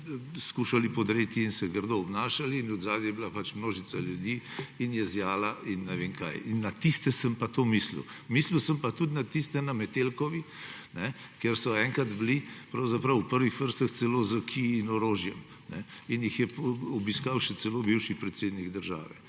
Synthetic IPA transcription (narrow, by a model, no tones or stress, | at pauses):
skuːʃalipɔd̪ɾet̪iːnsɛɡəɾd̪ɔɔbnaːʃaliːnɔd̪zaːd̪jɛjɛbilapat͡ʃmnoːʒit̪saljud̪iːinjɛzjaːlainːɛʋeːŋka̰jinːat̪ist̪ɛsəmpat̪omislḭw | misliwsəmpat̪ud̪nat̪ist̪ɛnamɛt̪elkɔʋi | nɛ | keɾsɔɛːŋkad̪blipɾɐwzapɾɐwːpəɾʋixʋəɾst̪əxt̪sɛlozəkʰiːnɔɾoːʒjɛm | nɛinjixjɛpɔbiskawʃɛt̪sɛloːbiwʃipɾɛt̪seːd̪niɡd̪əɾʒa̰ːʋɛ̰